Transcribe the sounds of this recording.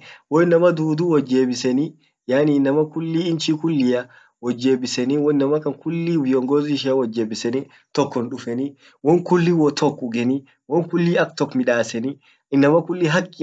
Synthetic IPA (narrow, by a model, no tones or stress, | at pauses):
wɔɪnːɐmɐd̪uːd̪uwɔd͡ʒːeːbɪsɛni | jaːninːɐmɐkʊlːiːnt͡ʃiːkʊlːijɐ | wɔd͡ʒːe̞ːbɪsɛniwɔɪnːɐmɐkɐŋkʊlːiːwɪjɔŋɡoːzʃ̬ɪɐwɔd͡ʒːeːbɪsɛni | t̪ɔkːɔnᶑʊfɛni | wɔŋkʊlːiwɔt̪ʰɔkːʊɡɛni | wɔŋkʊlːiːɐkt̪ɔkːmɪᶑaːsɛni | ɪnːɐmɐkʊlːiːɦɐkʼːi